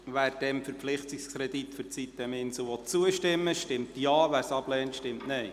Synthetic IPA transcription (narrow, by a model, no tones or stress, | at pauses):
ʋæːɾd̥ɛmfəɾpflɪχtikskʰɾɛdit̪fʏɾt͡sit̪ːɛmɪnslʋɔt͡suəʃtɪmːəʃtɪmtjɑːʋæːɾsɑb̥lɛːntʃtɪmtnɛɪ